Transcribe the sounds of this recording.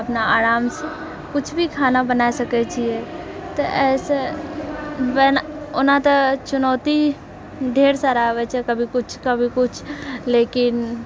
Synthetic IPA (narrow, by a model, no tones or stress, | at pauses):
ɐpnaaːɾaːmse | kʊt͡ʃʰbʱikʰaːnabənaːsɐket͡ʃiet̪oʔɛːse | ʋɛːnʊnãt̪at͡ʃʊnɔːt̪i | ɖʱeːɾsaɾaʋɛːt͡ʃekɐbʱikʊt͡ʃʰkɐbʱikʊt͡ʃʰleːkɪn